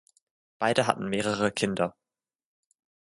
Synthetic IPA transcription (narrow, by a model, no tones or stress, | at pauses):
b̥aɪdəɦa̰tn̩meːʁəʁəkʰɪndɐ